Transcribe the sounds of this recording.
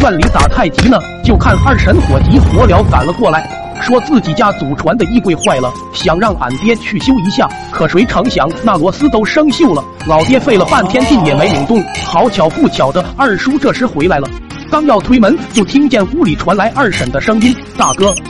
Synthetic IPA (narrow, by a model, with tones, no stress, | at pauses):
t̪wa˥˩nli˧˥t̪a̰˨˩t̪ʰa˥˩ɪt͡ɕi˧˥nə˨ | t͡ɕjo˥˧ʊkʰa˥˧na˞˥˩ʂə˧˥nxwɔ˨˩t͡ɕ̪i˧˥xwɔ˧˥ljɑ˧˥ʊka̰˨˩nlə˦kwɔ˥˩la˧˥ɪ | ʂwɔ˥t͡sɹ̩˥˩t͡ɕi˨˩t͡ɕja˥t͡su˨˩ʈ͡ʂʰwa˧˥nd̪ə˧i˥˧kwe˥˧ɪxwa˥˩ɪlə˩ | ɕjɑ˨˩ŋɻɑ˥˩ŋpa̰˨˩nt̪jɛ˥t͡ɕʰy˥˩ɕjo˥ʊi˧˥ɕja˥˩ | kʰɤ˨˩ʂwe˧˥ɪʈ͡ʂʰɤ˧˥ŋɕjɑ̰˧˥ŋna˥˩lwɔ˧˥sɹ̩˥t̪o˥ʊʂɤ˥ŋɕjo˥˩ʊlə˩ | lɑ˨˩ʊt̪jɛ˥fe˥˩ɪlə˩pa˥˩nt̪ʰjɛ˥nt̪i˥˩njɛ˨˩me˧˥ɪlʊ˨˩ŋt̪ʊ˥˩ŋxɑ˧˥ʊt͡ɕʰjɑ˧˥ʊfu˥˩t͡ɕʰjɑ˨˩ʊd̪ə˦a˞˥˩ʂu˥ʈ͡ʂɤ˥˩ʂɻ̩˧˥xwe˧˥ɪla˧˥ɪlə˧ | kɑ˥ŋjɑ˥˩ʊt̪ʰwe˥ɪmə˧˥nt͡ɕjo˥˩ʊt̪ʰi˥ŋt͡ɕjɛ˥˩nu˥li˨˩ʈ͡ʂʰwa˧˥nla˧˥ɪʔa˞˥˩ʂə˨˩nd̪ə˦ʂɤ˥ŋpi˥n | t̪a˥˩kɤ˥